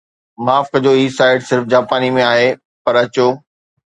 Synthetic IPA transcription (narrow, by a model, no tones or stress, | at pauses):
maːfkɐd͡ʑoːiːsaːɪɖsɪɾfd͡ʑaːpaːnimẽaːɦe | pɐɾɐt͡ɕoː